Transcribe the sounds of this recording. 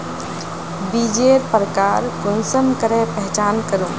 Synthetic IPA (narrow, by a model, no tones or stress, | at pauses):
bid͡ʒeɾpəɾəkaːɾkʊnsəmkəɾepəɦt͡ʃaːnkəɾũː